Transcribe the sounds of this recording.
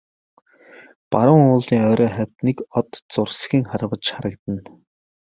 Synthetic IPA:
paɾʊːŋʊːɮiːŋœːɾʔɔːχæwʲt̪nikɔt̪t͡sʊrsxiːŋχaɾpə̆t͡ɕχaɾə̆kt̪ə̆n

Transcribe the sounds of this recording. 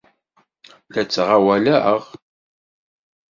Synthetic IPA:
læt͡sːʁawælæəʁ

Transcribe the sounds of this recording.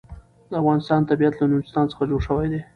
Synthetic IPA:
d̪əafɣɑnɪst̪ɑnt̪abijat̪lanuɪ̥st̪ɑnt͡sə̥xad͡ʒoɽʂəwajd̪e

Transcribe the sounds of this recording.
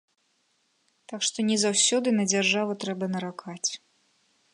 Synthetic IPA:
t̪akʂt̪ɔnʲɛzawsʲɔd̪ɨnɐd͡zʲarʐavɐt̪ɾɛbɐnɐɾakʰat͡sʲ

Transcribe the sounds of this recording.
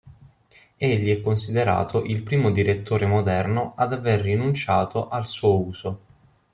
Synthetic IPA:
eʎːiɛkːonsid̪eɾa̰ːt̪ʰoʔilpɾiːmod̪iɾet̪ːoːɾemod̪ɛrnoad̪averːinunt͡ʃaːt̪oʔalsuːouːz̥o

